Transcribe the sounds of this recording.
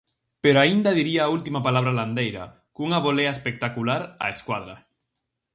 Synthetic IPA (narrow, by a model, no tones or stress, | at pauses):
peɾoaind̪aðiɾiaːult̪imapalaβ̞ɾaland̪ejɾa̰ | kuŋaβoleaespek̚t̪akulaɾa̰eskwað̞ɾa